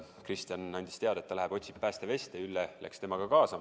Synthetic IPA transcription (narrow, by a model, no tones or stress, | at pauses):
krist̪jɑnɑnʲd̪̥ʲi̥st̪e̞ɑd̪ɑet̪ːɑlæɦeb̥o̞t̪ʲsippæːst̪e̞ve̞st̪eylːelʔḛkst̪e̞mɑɡ̥ɑkɑːsɑ